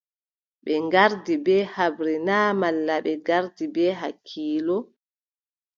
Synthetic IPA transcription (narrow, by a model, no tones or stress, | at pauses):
ɓɛŋɡaɾdibɛhabɾinaːmalːaɓɛɡaɾdibɛːɦakʰːiːlɔ